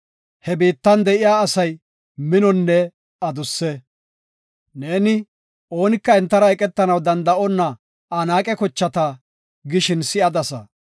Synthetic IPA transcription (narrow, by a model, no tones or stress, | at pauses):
hɛbiːt̪ːɐnd̪ɛʔɪjaːsɐj | mɪnɔnːɛ | ɐd̪ʊsːɛ | neːnɪ | ʔo̞ːnɪkːɐɛnt̪ːɐɾɐɛkʼɛt̪ːɐnɐwd̪ɐnd̪ɐʔɔnːɐ | anaːkʼɛkɔt͡ʃːɐt̪ɐ | ɡɪʃɪnsɪɐd̪ɐsɐ